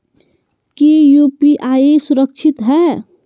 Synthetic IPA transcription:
kijupiʔaːisuɾək̚t͡ʃʰit̪ɦɛː

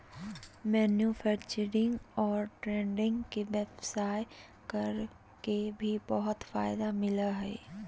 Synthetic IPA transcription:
mɛːnjufʰɛːkt͡ʃəɾɪ̃ŋɡɔːɾʈɾẽːɳɖɪ̃ŋɡkeʋɛpsaːj | kəɾ | kebʱibəɦʊt̪fa̰ːɪd̪amɪlaɦɛ̰ː

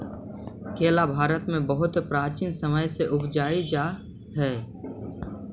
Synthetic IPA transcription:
kʰeːlabʱaːɾət̪mẽbəɦʊt̪pɾaːt͡ʃiːnsəməjseʔʊbd͡ʒaːid͡ʒa | ɦɛː

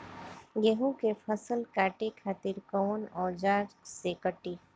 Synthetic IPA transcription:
ɡeɦũkepʰəsəlkaːʈekʰaːt̪iɾkɔːnɔd͡ʑaːɾsekəʈi

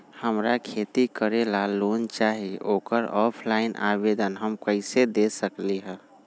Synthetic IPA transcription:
həmɾakʰet̪ikəɾelaloːnt͡ʃaːɦioːkəɾɔːpʰlaɪnʔa̰ːweːd̪ənɦəmkəɪsed̪esəkliɦɛ̃ː

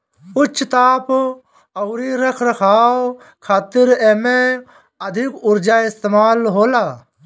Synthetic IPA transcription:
ʊt͡ʃʰːt̪aːp | ɐwɾiɾɐkʰɾɐkʰaːo | kʰaːt̪ɪɾɛme | ɐd̪ʱɪkʊɾd͡ʒaːɪst̪eːmaːlɦoːlaː

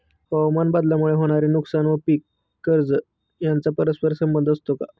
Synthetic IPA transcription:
həwmanbəd̪lamuɭeɦoɽ̃aɾinuksanʋəpikː | əɾd͡zə | jant͡sapəɾəspəɾsəmbənd̪ʱəst̪oka

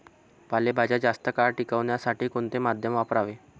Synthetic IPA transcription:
palebʱad͡ʑad͡ʑast̪əkaɾʈikəʋɳjasaʈiːkoɳt̪emad̪ʱjəmʋapɾaʋe

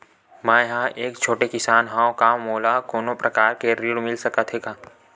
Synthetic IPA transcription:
mɛ̃ːjɦãʔeːkt͡ʃʰoːʈekɪsaːnɦãːõkamoːlakoːnõpɾʔɐkaːɾkeɾiɽmɪlsɐkət̪ʰɦeːkaː

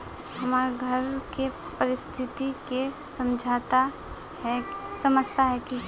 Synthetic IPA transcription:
hɐmaːɾɡʱəɾke | pəɾɪst̪ʰɪt̪ikesɐmd͡ʒʱat̪a | ɦɛsəməd͡ʒt̪aɦɛki

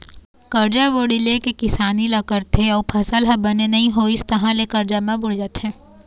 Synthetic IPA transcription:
kɐɾd͡ʒaʋoːɽilekekɪsaːnilakəɾt̪ʰeɔːɾpʰɐsəlɦɐbɐnenɐɦĩɦoːist̪ɐɦãlekɐɾd͡ʒamãbʊɽd͡ʒaːt̪ɦɛ̃ː

